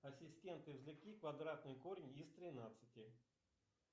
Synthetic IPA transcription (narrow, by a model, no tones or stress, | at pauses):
ɐsʲɪsʲtʲe̞nt̪ɨvzʲlʲɪkʲikvɐd̪ɾat̪̚nɨjkoɾʲɪnʲist̪ɾʲɪnat̪sɨtʲɪ